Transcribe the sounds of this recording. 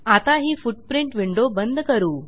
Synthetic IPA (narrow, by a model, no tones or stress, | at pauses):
at̪aɦiːfuʈ̚pɾiɳʈʋiɳɖobənd̪ʱkəɾuː